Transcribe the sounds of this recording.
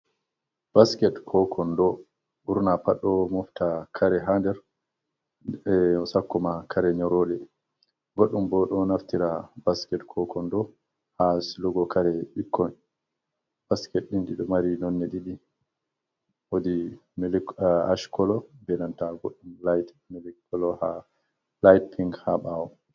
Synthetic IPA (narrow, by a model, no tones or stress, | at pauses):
b̥askɛtkʰɔkʰɔndɔ | uɾnapaɗːɔmɔftakʰaɾɛɦandɛɾ | sakːɔmakʰaɾɛɲɔɾɔlɛ | ɡoɗːumbɔɗɔnaftiɾabaskɛtkʰɔkʰɔndɔ | hasluɡɔkʰaɾɛɓikːɔn | b̥askɛtɗinɗiɗɔmaɾinɔnːɛɗiɗi | wodimlaʃkɔlɔbɛnantaɡoɗːumlajt | mɛlɛkʰːɔlɔha | lajt̚pʰiŋɡhaɓawɔ